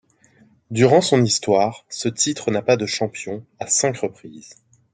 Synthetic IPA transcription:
d̪yʁɑ̃sɔ̃nist̪waːʁsət̪it̪χənapad̪əʃɑ̃pjɔ̃asɛ̃kʁəpχiːz̥

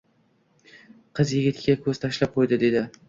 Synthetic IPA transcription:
qʰɨzjɪɡʲɪt̪ʲɪakʰɵz̥t̪ʰaʃlap̚qʰojd̪ɪd̪e̞d̪ɪ

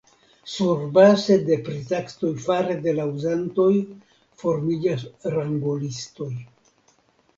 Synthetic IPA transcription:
suɾbaze̞de̞pɾitaksto̞jfaɾe̞de̞lauzanto̞j | fo̞ɾmid͡ʒasɾaŋɡolisto̞j

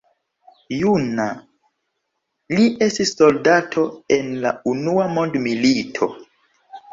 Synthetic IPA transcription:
juna | liʔe̞stisːo̞ldatʰo̞enlaunuamo̞ndmilitʰo̞̰

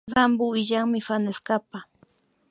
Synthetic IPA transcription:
zambʊɪʎaŋmɪfanaskapa

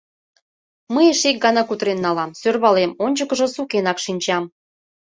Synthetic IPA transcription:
məjeʃek̚ɡɑnɑkut̪ɾenːɑlɑmsørβɑlemonʲt͡ɕəkə̆ʒɤ̆sukenɑkʃinʲt͡ɕɑm

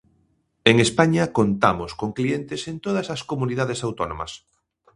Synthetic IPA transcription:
eŋespaɲɐkont̪amoskoŋklient̪esent̪oð̞ɐsɐskomuniðað̞esawt̪onõ̰mɐ̰s

